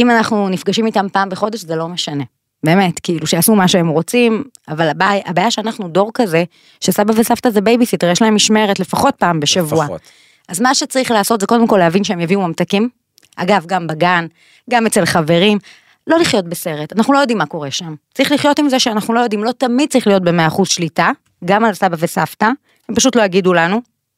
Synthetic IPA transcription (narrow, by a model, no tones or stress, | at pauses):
imanaχnunifɡaʃimitampaːmbeχo̞de̞ʃzelo̞me̞ʃane̞ | be̞ːme̞tkiiluʃeasumaʃeemʁo̞t͡sim | avalabajʔabaːjaʃeanaχnudo̞ʁkaze̞ | ʃesabavesaftazebejbisit̪eʁjeʃlae̞mːiʃme̞ʁetle̞faχo̞t̚paːmbeʃavua | ʔazmaʃet͡saʁiχlaːsotzeko̞d̪e̞mko̞leavinʃeemjaviumamtakim | ʔa̰ɡavɡambaɡan | ɡamet͡se̞lχave̞ʁim | lo̞liχjo̞t̚bese̞ʁetanaχnulo̞jodimːako̞ʁe̞ʃamt͡saʁiχliχjo̞timzeʃeanaχnulo̞jod̪imlo̞t̪amid̚t͡saʁiχlijo̞t̚be̞meaːχuzʃlita | ɡamalasabavesafta | hempaʃ̬ut̪lojaɡidulanu